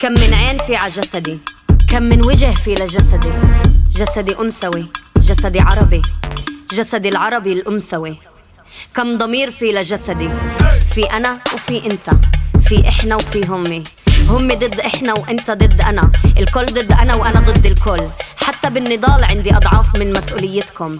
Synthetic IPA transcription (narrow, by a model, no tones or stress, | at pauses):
kamːɪnʕeːnfiːʕaʒasad̪ikamːɪnwɪʒɪhfiːlaʒasad̪iʒasad̪iʔʊmθawiʒasad̪iʕɑɾˤɑbiʒasad̪ilʕɑɾˤɑbilʔʊmθawi | kamd̪ˤɑmiːɾfiːlaʒasad̪ifiʔanawfiʔɪnt̪afiʔɪħnawfiɦʊmːihʊmːid̪ˤɨd̪ːʔɪħnawʔɪnt̪ad̪ˤɨd̪ːʔanaʔɪlkʊːlːd̪ˤɨd̪ːʔanawʔanad̪ˤɨd̪ːɪlkoːlːħat̪ːabɪnːɨd̪ˤɑːlʕɪnd̪iʔɑd̪ˤʕɑːfmɪnmasʔuːlɪjːɪt̪kʊm